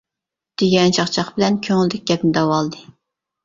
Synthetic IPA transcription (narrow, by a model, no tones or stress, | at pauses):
d̪̥yɡʲɛnt͡ʃʰɑχt͡ʃʰɑχbɪlɛnkʲʰøŋɪld̪ɪk̚ʲɡʲɛpnɪd̪ɑwɑlˠd̪ɨ